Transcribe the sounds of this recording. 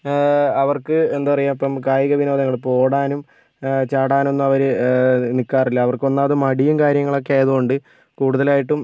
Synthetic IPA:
ɐʋɐrkɨe̞nd̪upɐrɐjaːmipːɐmkaːjɐɣɐʋino̞ːðɐŋːɐɭpo̞ːɽaːnum | t͡ɕaːɽaːno̞nːuɐʋɐɾɨnikːaːrilːɐːʋɐrko̞nːaːɐðɨmɐɽijumkaːɾjɐŋːɐɭo̞kːeaːjɐðuɣo̞ɳɖɨ | kuːɽuðɐlaːjiʈːum

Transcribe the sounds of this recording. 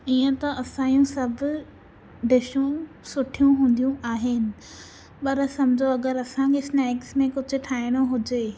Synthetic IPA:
iːə̃t̪ɐʔɐsãːjũsɐbʱʊ̆ | ɖɪʃũ | sʊʈʰijũɦũːnd̪ijũaːɦɪnɪ̆ | pɐɾsɐmd͡ʑʱoɐɡəɾɐsãkʰesnɛːksmẽkʊd͡ʑʱʊ̆ʈʰaːɪɽ̃oɦʊd͡ʑeː

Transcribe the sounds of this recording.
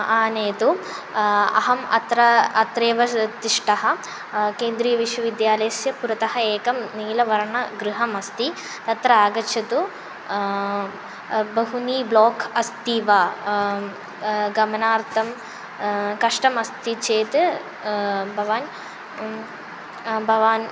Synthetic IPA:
aːneːt̪u | ɐ̰ɦɐmɐ̰t̪ɾɐɐt̪ɾeːʋɐt̪iʂʈɐɦɐ̆ | keːnd̪ɾiːjɐʋiʂʋɐʋid̪jaːlɐjɐsjɐpuɾɐt̪ɐɦɐeːkɐmniːlɐʋɐɾɐɳɐɡɾuɦɐmɐst̪i | t̪ɐt̪ɾɐaːɡɐt͡ʃʰɐt̪u | bɐɦuniːbloːkʰɐst̪iːʋaː | ɡɐmɐnaːɾt̪ʰɐm | kɐʂʈɐmɐst̪it͡ʃeːt̪ | bʱɐʋaːn | bʱɐʋaːn

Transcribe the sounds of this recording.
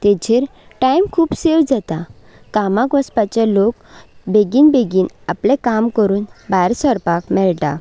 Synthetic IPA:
t̪ed͡ʑeɾʈajmkʰuːpsewd͡zat̪a | kamãkɔspat͡ɕelok | beɡiːnbeɡiːnaplẽkamkəɾuːnbajɾsəɾpakmɛɭʈ̪a̰

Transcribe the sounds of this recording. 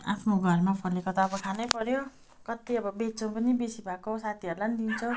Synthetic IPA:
a̰pʰnoɡʱʌrmapʰʌlekʌt̪aːbʌkʰanʌjpʌɾjo | kʌt̪iʌbʌbet͡sʌw̃pʌnibesibʱakosat̪ʰiʌɾulanid̪int͡sʰʌ̃

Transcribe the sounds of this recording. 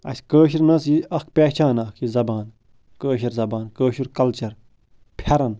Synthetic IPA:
ɐ̰sʲkəːʃ̬iɾnɐsiɐkpʲeːt͡ʃʰaːnaːkʰizɐbaːn | kəːʃɐɾzɐbaːnkəːʃuɾkɐlt͡ʃɐɾ | pʰɐɾɐn

